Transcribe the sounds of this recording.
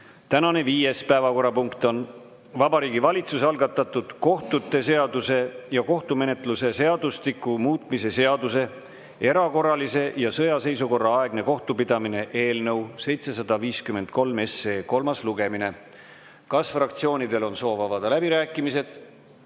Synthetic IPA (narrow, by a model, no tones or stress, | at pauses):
t̪ænɑne̞viːjespæevɑko̞ɾːɑpuŋkt̪o̞n | vɑbɑɾiːɡivɑlʲit̪susɑlɡ̥ɑt̪ːˑɑt̪ːud̪̥ko̞ht̪ut̪ːˑe̞se̞ɑd̪use̞jɑko̞ht̪ume̞ne̞t̪ˑluse̞se̞ɑd̪̥ust̪ikːˑumuːt̪ˑmise̞se̞ɑd̪use̞ | e̞ɾɑko̞rːɑlise̞jɑsɤjɑse̞jsuko̞rːɑɑe̞ɡ̥ne̞ko̞ht̪upid̪̥ɑmine̞ʔe̞ːlnɤ̞wse̞jt̪se̞sɑd̪̥ɑviːskyme̞nd̪̥̚ko̞lme̞sːe̞ːko̞lmɑsluɡe̞mine̞ | kɑsfrɑk̚t̪sio̞ːnid̪e̞lo̞nso̞ːvɑvɑd̪̥ɑlæbiɾæːkːˑimise̞d̪̥